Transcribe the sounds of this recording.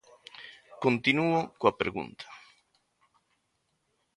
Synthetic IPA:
kont̪inuʊkoapɾḛɣṵnt̪ʰḁ

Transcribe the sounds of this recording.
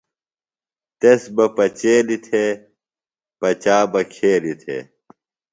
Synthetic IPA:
t̪esbɐpɐt͡ɕeːlit̪ʰeː | pɐt͡ɕaːbɐkʰeːlit̪ʰḛː

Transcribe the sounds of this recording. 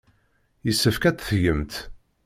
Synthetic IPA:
jəsːəfkæt͡s̪θjəmt̪

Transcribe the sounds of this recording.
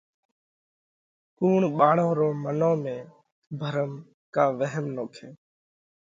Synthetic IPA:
kuːɳɓaːɳõːɾoːmənõːmẽː | bʱəɾəm | kaːʋəɦəmnoːkʰẽː

